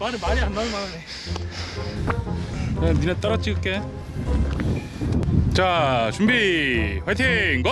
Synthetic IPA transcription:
maɾɯmaɲiandanumaɾɯne | eninet̪͈ʌɾʌt͡ɕ͈iɡɯk͈e | t͡ɕat͡ɕumbiwet̪ʰeŋɡʌ

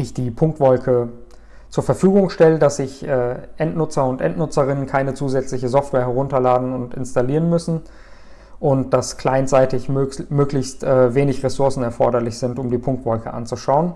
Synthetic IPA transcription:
ʔɪçd̥iːpʰʊŋk̚tv̥ɔlkʰə | t͡suːɐfɛɐfyːɡʊŋʃtɛlədaszɪçʔɛːʔɛntnʊt͡sɐʊntʔɛ̰ntnʊt͡sɐʁ̞ɪnənkʰaɪnət͡suːzɛt͡slɪçəzɔftvweːɐɦɛʁʊntɐlaːdn̩ʊntɪ̰nstaliːʁənmʏsn̩ | ʔʊnt̚d̥askʰl̥aɪnt͡saɪtɪçmøːklɪçstʔɛːveːnɪçʁesʊɐsn̩ɛɐfɔɐɾɐlɪçz̥ɪntʊmdiːpʰʊŋk̚tv̥ɔlkəʔa̰nt͡suʃaʊən

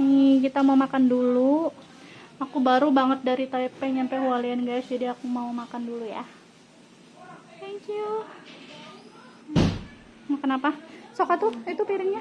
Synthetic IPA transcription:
ikit̪amaumakandulu | akubaɾubaŋət̪̚daɾit̪aipɛɲampɛhwalianɡajsd͡ʒadiakumaumakanduluja̰ | t̪ɛŋkju | kənapasokat̪uit̪upiɾɪŋɲa

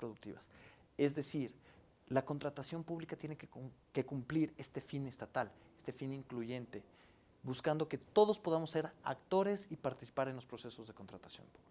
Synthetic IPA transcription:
pɾoðuk̚t̪ḭβa̰s | e̞zðe̞siɾ | lako̞nt̪ɾat̪asjo̞mpuβlikat̪je̞nekeke̞kumpliɾe̞st̪e̞fine̞st̪at̪alest̪e̞finiŋkluʝe̞nt̪e̞ | buskand̪o̞ke̞t̪o̞ðo̞spo̞ð̞amo̞sːe̞ɾa̰kt̪o̞ɾe̞sipaɾt̪i̥si̥paɾenlo̞spɾo̞se̞so̞zðe̞ko̞nt̪ɾat̪asjo̞̰mpuβli

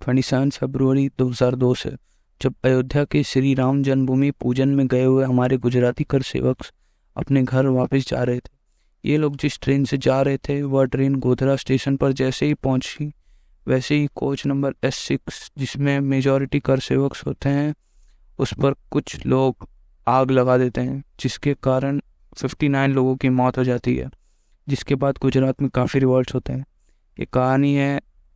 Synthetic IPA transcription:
t̪ʰɛɽ̃isãːnfɛbɾuʋəɾid̪oːɦɐzaːɾd̪oːsḛ | d͡ʒɐb̚ɐjoːd̪ʱjakeʃɾiɾaːʊnd͡ʒɐnbʱumipuːd͡ʒənmẽɡɐeɦʊeɦɐmaːɾeɡʊd͡ʒɾaːt̪ikɐɾsḛːʋəks | ɐ̰pneɡʱɐɾʋaːpəs̬d͡ʒa̰ːɾɐɦet̪ʰe̥ | jʔeːloːɡd͡ʒɪsʈɾeːnsed͡ʒaːɾɐɦet̪ʰeʋəɾʈɾeːnɡoːd̪ʱɾasʈeːʃənpɐɾd͡ʒɛːseɦipɐɦʊ̃t͡ʃi | ʋɛːseɦikoːt͡ʃnɐ̃mbəɾɛsːɪksd͡ʒɪsmẽmeːd͡ʒɔːɾɪʈikɐɾsḛːʋəksɦoːt̪eɦɛ̃ | ʊspɐɾkʊt͡ʃʰloːɡ | aːɡlɐɡad̪eːt̪eɦɛ̃d͡ʒɪskekaːɾəɽ̃ | fɪfʈinaːɪnloːɡõkimɔːt̪ɦod͡ʒaːt̪iɦɛ̰ː | d͡ʒɪskebaːd̪ɡʊd͡ʒɾaːt̪mẽkaːfiɾɪʋəɾɖsɦoːt̪eɦɛ̃ː | jḛkaːniɦɛ

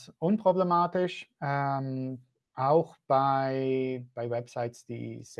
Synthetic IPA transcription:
sʔʊnpʁ̥oblemaːtɪʃʔɛm | ʔaʊxb̥aɪb̥aɪwɛbz̥aɪtsd̥ḭːs

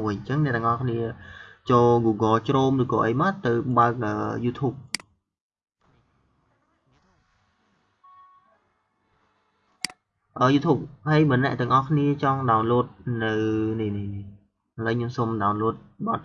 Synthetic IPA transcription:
ʋɨɲt͡ɕəŋnɛ̆ʔt̪ɛəŋʔɑhkʰniət͡ɕoːlɡuːɡɑːt͡ɕroːmrɨːkɔːʔəjmat̪ɨwɓaək̚ʔəːjuːt̪ʰuːp̚ | ʔəːjuːt̪ʰuːp̚haəjmə̆nːɛ̆əʔt̪ɛ̆əŋʔɑhkʰniət͡ɕɑŋɗaɔnloət̪̚nɨwnihnihni | ʔələɲɨəmsomɗaɔnloət̪̚ɓɑt̪̚

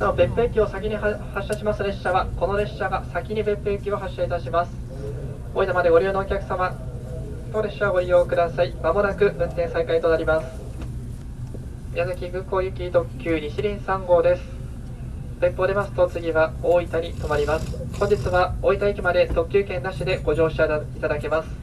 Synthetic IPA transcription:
naobẽ̞pe̞ːkʲio̞sakʲiɲ̟ʲihaɕːaɕimasɨɾe̞ɕːaβako̞no̞ɾe̞ɕaɡasakʲiɲ̟ibẽ̞mpːe̞ːkʲio̞ɦaɕːait̪aɕimasɨ̥ | oːit̪amad̪eɡo̞ɾʲiɯno̞ːkʲakɯ̟̥sama | t̪o̞ɾe̞ɕːaβaɡoijo̞ːkɯ̟d̪asaimamo̞nakɯ̟bɯ̟̃nt̪ẽ̞ɰ̃sakait̪o̞naɾʲimasɨ̥ | ijazakʲiɡɯ̟̃ko̞ːjɯ̟kʲit̪o̞kʲːɨːɲʲiɕiɾʲĩɰ̃sãŋɡo̞ːd̪e̞sɨ̥ | b̥ẽ̞mpːo̞ːd̪e̞masɨ̥t̪o̞t͡sɨɡʲiβaoːit̪aɲʲit̪o̞maɾʲimasɨ̥hõ̞ɲ̟d͡ʑit͡sɨβaoit̪aikʲimad̪e̞t̪o̞kʲːɨːkẽ̞nd̪aɕid̪e̞ɡo̞ʑo̞ːɕait̪ad̪ake̞masɨ̥

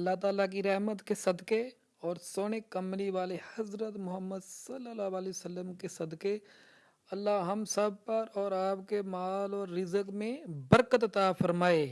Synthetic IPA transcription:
ɐlːat̪aːlak̬iɾɛɦmət̪kesɐd̪ke | ɔːɾsoːñekɐmliʋaːlehɐzɾət̪mʊɦəmːəd̪sɐlːəlaʋaːlisəlːəmkesɐd̪ke | ɐlːaɦɐmsɐb̚ʱpɐɾɔːɾaːpkemaːlɔːɾːɪzəkmẽbəɾkət̪ɐt̪afɐɾmaːeː

